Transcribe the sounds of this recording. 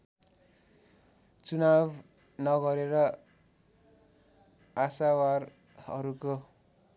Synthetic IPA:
t͡sunab | nʌɡʌɾeɾʌ | asawar | hʌ̰ɾuko

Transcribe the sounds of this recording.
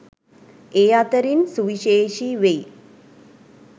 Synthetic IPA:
eːat̪ɐɾinsuʋiʃeːʃiʋej

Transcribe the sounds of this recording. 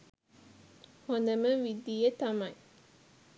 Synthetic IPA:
hond̪ɐməʋid̪ijet̪ɐmɐj

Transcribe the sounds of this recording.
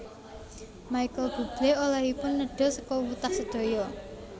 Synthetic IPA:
maikəlb̥ṳb̥lɛolaɦipʊnːəɖ̥ɔ̤səkɔwut̪ahsəd̪̥o̤jɔ

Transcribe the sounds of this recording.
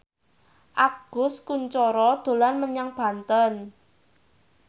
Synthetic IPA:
ʔaɡ̥ʊ̤skuɲt͡ʃɔɾɔd̪̥o̤lanməɲaŋb̥ä̤nt̪ən

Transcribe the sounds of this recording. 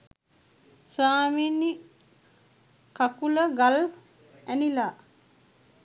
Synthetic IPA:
saːminːi | kakuləɡal | ænila

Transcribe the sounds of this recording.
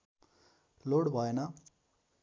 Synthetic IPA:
loɽbʱʌenʌ

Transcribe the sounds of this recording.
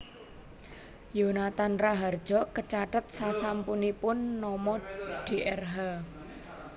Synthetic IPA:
jonat̪anraɦard̥ʒ̥ɔ̤kət͡ʃaʈət̪̚sasampunipʊnːɔmɔɖ̥eʔɛrɦa

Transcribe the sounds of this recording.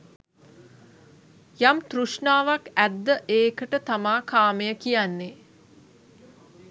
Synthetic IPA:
jamt̪ruʂɳaːʋakæd̪ːəʔeːkəʈət̪amaːkʰaːməjəkijanːe

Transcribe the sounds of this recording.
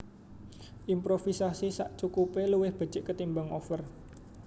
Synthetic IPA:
ʔimpɾofisasisaʔt͡ʃukupeluwɪhb̥ə̤̥t͡ʃɪʔkət̪imbaŋofər

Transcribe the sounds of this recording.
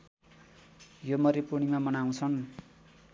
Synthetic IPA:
jomʌɾipunimamʌnaw̃t͡sʰʌn

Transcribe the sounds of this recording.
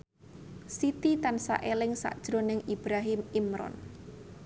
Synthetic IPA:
sit̪it̪ansa̰ʔelɪŋsa̰ʔd̥ʒ̥ɾo̤nɪŋʔib̥ɾaɦɪmimɾɔ̰n

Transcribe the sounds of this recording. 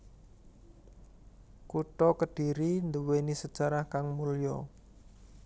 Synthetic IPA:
kuʈɔkəɖ̥i̤ɾind̪əwenisəd̥ʒ̥a̤ɾahkaŋmuljɔ̰

